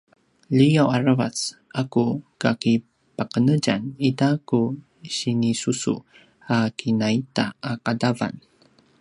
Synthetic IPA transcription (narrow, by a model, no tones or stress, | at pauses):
lijawaɾəvasʔakukaki | pəqənəd͡ʒanitaku | ɕinisusṵ | akinaita̰akadava̰n